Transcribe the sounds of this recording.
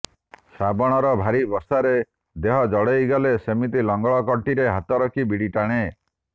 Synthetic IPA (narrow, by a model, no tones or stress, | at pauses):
sabɔɽ̃ɔɾɔbʱaɾibɔsaɾe | d̪eɦɔd͡ʒɔɽejɡɔlesemit̪ilɔŋɡɔɭɔkɔʈiɾeɦat̪ɔɾɔkʰibiɽiʈaɽ̃e